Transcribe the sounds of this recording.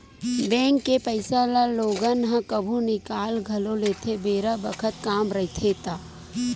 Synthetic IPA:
bɛ̃ːŋkːepəɪsalaloːɡənɦãkəbʱunɪkaːlɡʱɐloleːt̪ʰebeːɾabəkʰət̪kaːmɾɐɦit̪ʰet̪aː

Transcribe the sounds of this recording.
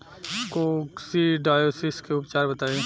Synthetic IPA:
koksiɖaːjoːsɪskeʊpt͡ʃaːɾbɐt̪aːẽ

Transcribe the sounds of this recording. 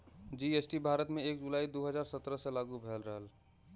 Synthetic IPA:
d͡ʒiesʈibʱaːɾət̪mẽeːk̚d͡ʒulaːid̪oɦəd͡ʒaːɾsət̪ɾəsẽlaːɡubʱeːlɾəɦəl

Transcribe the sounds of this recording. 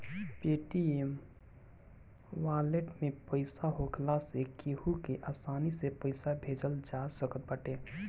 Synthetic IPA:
peːʈiem | waːleʈmẽpəɪsaɦokʰlasekiɦukeʔaːsaːnisepəɪsabʱeːd͡ʒəld͡ʒaːsəkət̪̚bəʈeː

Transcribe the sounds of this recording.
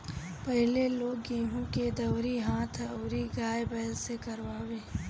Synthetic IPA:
pɐɦleloːɡːiːɦũked̪ɐwɾiɦaːt̪ʰəːɾiɡaːjbɛːlsekɐɾwaːweː

